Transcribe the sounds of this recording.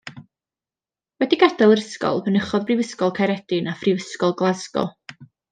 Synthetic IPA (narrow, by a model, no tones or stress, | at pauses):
wɛdiɡadalˠəɾəskɔ̰lˠbənəχɔðbrɪvəskɔlˠkʰaɾɛdɪnafrɪvəskɔlˠɡlˠazɡɔ̰